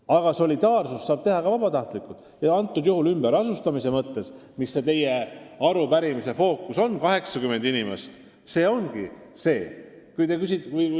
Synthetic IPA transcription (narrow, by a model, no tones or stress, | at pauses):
ɑɡ̥ɑso̞lid̪̥ɑːrsussɑːb̥̚t̪e̞ɦɑkɑvɑbɑt̪ɑht̪likːˑult̪ːˑ | jɑɑnt̪ːˑud̪̥juhulymb̥eɾɑsust̪ɑmise̞mɤt̪ːe̞smisːe̞t̪e̞je̞ɑɾupæɾimise̞fo̞ːkːuso̞nkɑɦe̞ksɑkyme̞nd̪̥inimḛst̪ | se̞ːo̞nɡ̥i | se̞ː | kujt̪e̞kys̬ʲit̪ːvɯj